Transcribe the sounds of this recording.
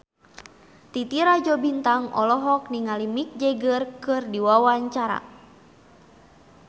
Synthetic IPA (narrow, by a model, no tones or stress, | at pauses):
t̪it̪iɾad͡ʒɔbint̪aŋɔ̰lɔɦɔk̚niŋalimik̚d͡ʒɛɡərkɨrdiwawaɲt͡ʃaɾa̰